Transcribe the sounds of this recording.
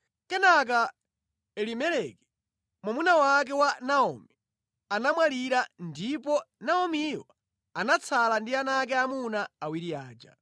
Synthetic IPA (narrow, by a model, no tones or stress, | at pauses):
kɛnak̬a | ɛlimɛlɛkɛ̥ | mwamunawak̬ɛwanaɔ̰mɛ | anamwaliɾandipɔnaɔmiwa | anat͡sʰalandianak̬ɛamunaːwiɾiaːd͡ʒa̰